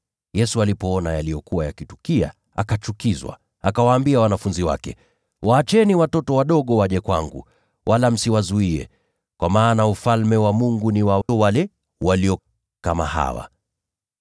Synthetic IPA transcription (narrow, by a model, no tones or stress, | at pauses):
jɛsualipɔɔnajalijɔkuwajakitukia̰ | a̰kat͡ʃukizwa̰ | akawaːmbiawanafunziwa̰kɛ̰ | wʔaːt͡ʃɛniwatɔtɔwaɗɔɠɔwaʄɛkwa̰ŋɡṵ | wʔalam̩siwazuiɛ̰ | kwamaːnaufalmɛwamuŋɡuniwawalɛ | waliɔ | kama̰ha̰wa̰